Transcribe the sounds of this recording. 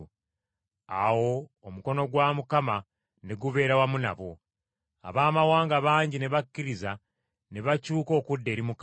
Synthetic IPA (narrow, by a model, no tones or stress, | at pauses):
a̰wo̞ːmuko̞no̞ɡwamukama | ne̞ɡuβe̞ːɾawamuna̰βo̞ | a̰βaːmawaːŋɡaβaːɲɟine̞βakːiɾiza | ne̞βacuːko̞ːkudːe̞ːɾimuk